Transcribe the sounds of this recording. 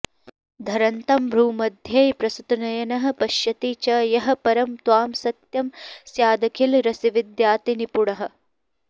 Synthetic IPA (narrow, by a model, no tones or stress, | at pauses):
d̪ʱɐɾɐnt̪ɐmbʱɾuːmɐd̪ʱjɐjpɾɐsut̪nɐjɐnɐɦɐ̆pɐʃjɐt̪iːt͡ʃɐjɐɦɐ̆pɐɾɐmt̪waːmsɐt̪jɐmsjaːd̪ɐkʰilɾɐsiʋid̪jaːt̪inipuɽɐɦɐ̆